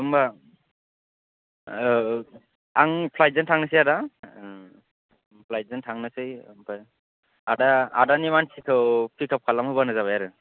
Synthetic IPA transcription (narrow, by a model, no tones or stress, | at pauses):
ɯmba | aŋpʰlaj̚zɯntʰaŋnɯsɯjada | pʰlajzɯntʰaŋnɯsɯjmpʰaj | adaadanimansʰikʰɯwpʰikʰap̚kʰalamhɯβanɯzaβajaɾɯ